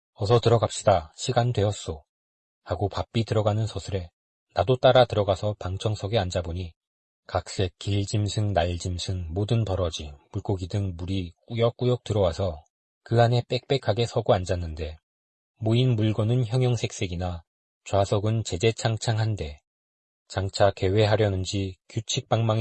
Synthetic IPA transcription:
ʌsʰʌtɯɾʌɡap̚ɕ͈idaɕʰiɡandwe̞ʌs͈o | haɡopap͈itɯɾʌɡanɯnsʰʌsʰɯɾe̞ | nadot͈aɾatɯɾʌɡasʰʌpaŋt͡ɕʰʌŋsʰʌɡe̞and͡ʑaboɲi | kak̚s͈e̞k̚k͈iʎd͡ʑimsʰɯŋnaɭd͡ʑimsʰɯŋmodɯnpʌɾʌd͡ʑimuɭk͈oɡidɯŋmuɾik͈ujʌk͈ujʌk̚tɯɾʌwasʰʌ | kɯɦane̞p͈e̞k̚p͈e̞kʰaɡe̞sʰʌɡoand͡ʑanːɯnde̞ | moinmuɭɡʌnɯnçjʌŋjʌŋsʰe̞k̚s͈e̞ɡina | t͡ɕwasʰʌɡɯnt͡ɕe̞d͡ʑe̞t͡ɕʰaŋt͡ɕʰaŋɦande̞ | t͡ɕaŋt͡ɕʰake̞we̞ɦaɾjʌnɯnd͡ʑikjut͡ɕʰik̚p͈aŋmaŋ

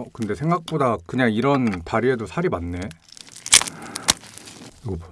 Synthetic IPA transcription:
kɯnde̞sʰe̞ŋɡak̚p͈odakɯɲaŋiɾʌntaɾiedosʰaɾimanːe̞

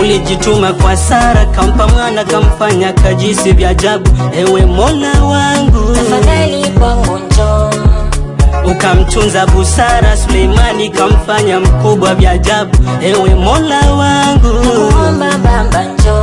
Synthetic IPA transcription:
uliʄitumakwasaɾakam̩pamwanakam̩faɲakaʄinsivjaʄaɓuɛwɛmɔlawaŋɡufaanikamud͡ʒɔ | ukam̩tunzaɓusaɾasulɛimanikam̩faɲam̩kuɓwavjaʄaɓuɛwɛmɔlawaŋɡuɔmbabaad͡ʒ

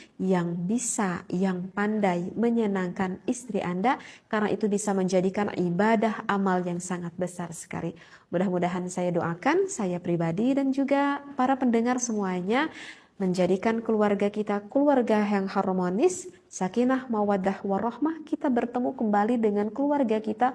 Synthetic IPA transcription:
jaŋbisajaŋpandajməɲənaŋkanist̪ɾiʔandakaɾəna̰ʔit̪ubisaməɲd͡ʒadikanḭbadahamaljaŋsaŋat̪̚bəsarsə̥ka̰ɾi | mudahmudaɦansajadoʔakansajapɾibadidand͡ʒuɡapaɾapəndəŋarsəmuaɲa | məɲd͡ʒadikankəluarɡakit̪akəluarɡajaŋhɔrmonɪsː | akinlahmawad̪ahwarɔhmahkit̪abərt̪əmukəmbalidəŋankəluarɡakit̪a

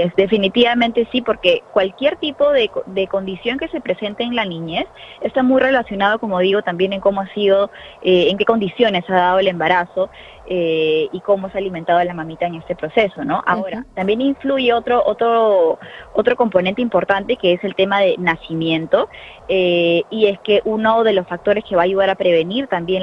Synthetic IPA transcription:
esd̪e̞finit̪iβamẽnt̪e̞sipo̞ɾke̞kwalkje̞ɾt̪ipo̞ðe̞koðe̞ko̞nd̪isjo̞ŋke̞se̞pɾe̞se̞nt̪eːnlanĩɲe̞sest̪amujre̞lasjo̞nað̞o̞ko̞mo̞ð̞iɣo̞t̪ambjene̞ŋko̞moasiðo̞ | eːŋke̞ko̞nd̪isjo̞ne̞saðað̞o̞ele̞mbaɾaso̞ | eiko̞moesaliment̪að̞oalamamit̪aeŋe̞st̪e̞pɾo̞se̞so̞no̞ʔa̰oɾat̪ambje̞niɱfluʝe̞o̞t̪ɾoʔo̞t̪ɾo | o̞t̪ɾo̞ko̞mpo̞nent̪e̞impo̞ɾt̪ant̪e̞ke̞ese̞lt̪e̞maðe̞nasimje̞nt̪o̞ | eie̞ske̞ʔuno̞ðe̞lo̞sfak̚t̪o̞ɾe̞ske̞βaːʝuð̞aɾapɾe̞βe̞niɾt̪ambje̞n

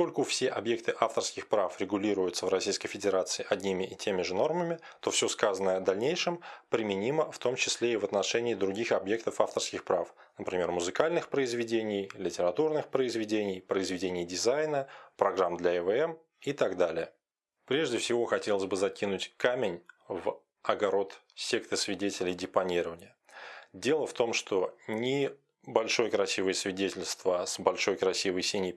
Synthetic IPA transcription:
skolʲkʊfsʲeʔɐbjek̚t̪ɨʔaft̪ərskʲɪxpɾafɾʲɪɡʊlʲiɾʊjʊt̪səvrɐsʲijskəjfʲɪdʲɪɾat̪sɨɪʔɐdʲnʲimʲɪʔɪtʲemʲɪʐɨno̞rməmʲɪ | t̪o̞fsʲo̞skazənəɐd̪ɐlʲnʲejʂɨmpɾʲɪmʲɪnʲiməft̪o̞mt͡ɕɪsʲlʲeɪvət̪nɐʂɛnʲɪːd̪ɾʊɡʲixɐbje̞kt̪əfaft̪ərskʲɪxpɾaf | nəpɾʲɪmʲe̞rmʊzɨkalʲnɨxpɾəɪzvʲɪdʲenʲɪjlʲɪtʲɪɾɐt̪urnɨxpɾəɪzvʲɪdʲenʲɪjpɾəɪzvʲɪdʲenʲɪjdʲɪzajnəpɾɐɡɾamd̪lʲɐɛvəɛm | it̪aɡd̪alʲɪjə | pɾʲe̞ʐdʲɪfsʲɪvo̞xɐtʲe̞lˠəsʲbɨzɐkʲinʊtʲkamʲɪnʲv | ɐɡɐɾo̞t̪ | sʲe̞k̚t̪əsvʲɪdʲetʲɪlʲɪjdʲɪpɐnʲiɾəvənʲɪjə | dʲe̞lˠəft̪o̞mʂt̪o̞nʲɪ | bɐlʲʂo̞jəkɾɐsʲivəjəsvʲɪdʲetʲɪlʲst̪vəsbɐlʲʂo̞jkɾɐsʲivəjsʲenʲij

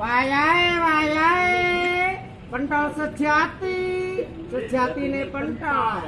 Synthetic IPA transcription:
ʋaːjaːɦeʋaːjaːɦe | pəɳʈãːsət͡ʃʰjaːt̪iː | sətʰjaːt̪iːnẽːpənʈaː

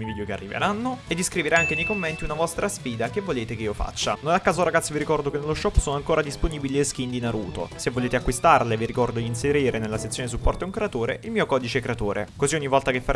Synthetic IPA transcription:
mivid̪jokea̰rːivḛɾanːoed̪ːiskɾiveɾaaŋkenejkomːent̪iunavɔst̪ɾasfiːd̪akevːoleːt̪ekeiːofa̰t͡ʃːa̰nonakːaːzoɾaɡat̪sːiviɾikɔrd̪okenːelːoʃːɔpːsoːnoaŋkoːɾad̪isponibiliesk̟ind̪inaɾṵːt̪o̰sevːoleːt̪eakːwist̪arleviɾikɔrd̪od̪inseɾiːɾenelːaset̪sːjoːnes̬upːɔrt̪oɛuŋkɾeat̪oːɾeilmiːokɔːd̪it͡ʃekɾeat̪oːɾḛkoziɔɲːivɔlt̪akefːa

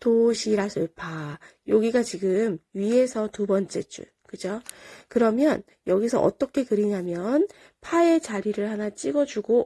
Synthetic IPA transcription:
toɕʰiɾasʰɯɭpʰajoɡiɡat͡ɕiɡɯmɥiɦe̞sʰʌtubʌnt͡ɕ͈e̞t͡ɕ͈ṵɭkɯd͡ʑokɯɾʌmjʌn | jʌɡisʰʌʔʌ̰t͈ʌkʰe̞kɯɾiɲamjʌn | pʰae̞t͡ɕaɾiɾɯɭhanat͡ɕ͈iɡʌd͡ʑuɡo

